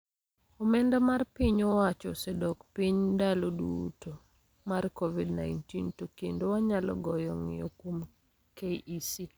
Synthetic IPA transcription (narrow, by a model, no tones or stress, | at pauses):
ɔmɛndɛmarpiɲɔwat͡ʃɔ̰sɛdɔkpiɲdalodṵto | markovidnaɪntintokendowaɲalɔ̰ɡɔjɔŋɪ̰okwom | keʔisi